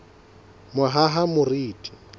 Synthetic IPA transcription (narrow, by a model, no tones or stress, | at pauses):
mʊɦaɦamʊriːtʼi̥